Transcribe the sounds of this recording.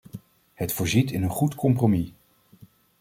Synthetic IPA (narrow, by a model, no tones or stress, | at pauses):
hətfʊːɹzitɪnənχutkɔmpromi